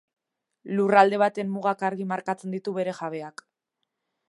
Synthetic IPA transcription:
lurald̪e̞βat̪e̞mːuɣakaɾɣimaɾkat͡se̞nd̪it̪uβe̞ɾe̞ʝaβe̞ak

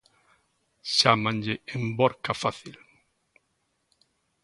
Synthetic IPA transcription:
ʃamãnʎɪembɔɾkafaθil

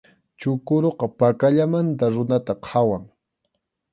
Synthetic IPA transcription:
t͡ʃʊkʊɾoqɑpakaʎamant̪aɾʊnat̪aqʰawaŋ

